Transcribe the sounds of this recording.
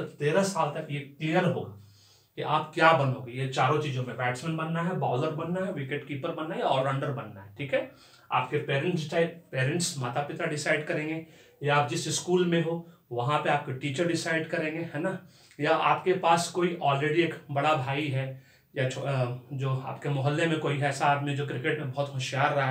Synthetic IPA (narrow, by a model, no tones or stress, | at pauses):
t̪eːɾasaːlt̪ɐkjek̪lijəɾɦo̰ːɡaː | kiʔaːpkjaːbɐnõːɡejet͡ʃaːɾõt͡ʃiːzõmẽʋɛːʈsmɛ̃nbɐnːaɦɛbaːləɾbɐnːaɦɛʋɪkeʈkiːpəɾbɐnːajaɔːɾɐ̃ɳɖəɾbɐnːaɦɛʈʰiːkɦɛ | a̰ːpkepeːɾɛ̃ɳʈt͡ʃapeːɾə̃ɳʈsmaːt̪apɪt̪ɾaɖɪsaːɪɖkɐɾẽːŋɡe | jaaːp̚d͡ʒɪsɪskuːlmẽɦoʋɐɦãpeaːp̚keʈiːt͡ʃəɾɖɪsaːɪɖkɐɾẽːŋɡeɦɛːna | jaʔaːpkepaːskoːiʔɔːlɾeːɖieːkbɐɽabʱaːiɦɛː | jat͡ʃʰd͡ʒoːa̰ːpkemʊɦəlːemẽkoːiɛːsaːt̪mẽd͡ʒoːkɾɪkeʈmẽbɐɦʊt̪ɦʊʃjaːɾːɐɦa